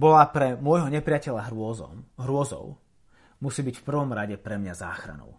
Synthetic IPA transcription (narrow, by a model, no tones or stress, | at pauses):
bɔlapɾɛmʊɔjɦɔɲɛpɾɪacɛʎaɦɾɔɔ̰mɦɾʊɔzɔ̰ʊ | musiːbicfpr̩ʋɔmɾaɟɛpɾɛmɲaza̰ːxɾa̰nɔ̰ʊ